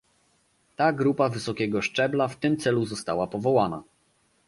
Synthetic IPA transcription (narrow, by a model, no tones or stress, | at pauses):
t̪aɡɾupavɘsɔkʲɛɡɔʂt͡ʂɛblaft̪ɘmt̪sɛluzɔst̪awapɔvɔwana̰